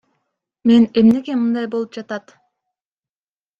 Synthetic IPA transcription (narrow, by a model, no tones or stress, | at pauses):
me̞ne̞mne̞ɡe̞mɯnd̪ɑjbolˠup̚d͡ʒɑt̪ɑt̪